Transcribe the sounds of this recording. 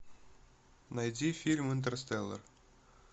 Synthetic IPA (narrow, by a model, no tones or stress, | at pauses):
nɑjdʲifʲilʲmɘnt̪̬ɘ̆rʲɘsʲt̪ʲelʲːɘ̰̆r